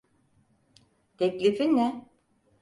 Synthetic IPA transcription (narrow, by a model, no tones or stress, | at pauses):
t̪ʰɛclʲifinːɛ